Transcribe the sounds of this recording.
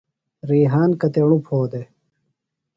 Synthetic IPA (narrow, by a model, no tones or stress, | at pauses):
ɾiːɦaːnkɐt̪eɳupʰoːd̪e